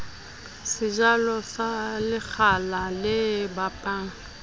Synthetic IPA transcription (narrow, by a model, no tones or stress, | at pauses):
sɪd͡ʒalɔsalɪk͡xʰalalɪbapʼaːŋ̩